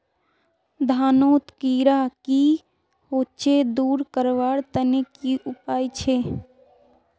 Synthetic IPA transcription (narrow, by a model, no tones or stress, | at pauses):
d̪ʱaːnoːt̪kiːɾaki | hoːt͡ʃed̪uːɾkəɾʋaːɽt̪ənekiʔʊpaːit͡ʃʰeː